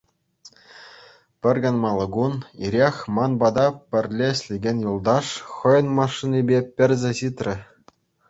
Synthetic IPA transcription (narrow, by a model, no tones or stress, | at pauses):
pʲɘ̆rʲɡɑnmɑlˠːɤ̆ɡuniɾʲexʲmɑnbɑd̪ɑpʲɘ̆rʲlʲeɕʲlʲeɡʲenʲjulˠd̪ɑʂχɤ̆jɤ̆nmɑʂːinʲibʲepʲɘ̆rʲzʲĕɕit̪rʲɘ̆